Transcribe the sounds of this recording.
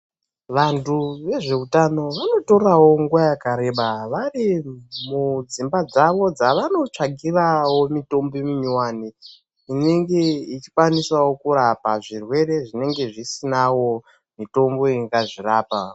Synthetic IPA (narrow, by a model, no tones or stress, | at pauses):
ʋantʰuʋe̞ʐe̞utano̞ʋano̞to̞rawo̞ŋɡuʋajakaɾe̞ɓaʋarimud͡zimbad͡zaʋo̞d͡zaʋano̞t͡ʂaɡʱirawo̞mito̞mbimumiwaːni | ine̞ŋɡe̞it͡ʃi̥kwaniswawokuɾapaʐirwe̞ɾe̞ʐine̞ŋɡe̞ʐisinawo̞ | mito̞mbo̞iŋɡaʐiraːpa